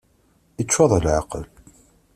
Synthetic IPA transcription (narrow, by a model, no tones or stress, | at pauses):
it͡ʃːwɑðˤəlʕaqəl